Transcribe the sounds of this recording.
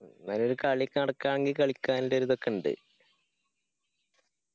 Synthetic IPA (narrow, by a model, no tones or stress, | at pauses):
nɐnoɾukaːɭjikʲːɨnɐɽɐkːaːɳeŋɡilkɐɭikʲːaːnindeoɾuðokːeɳɖɨ̰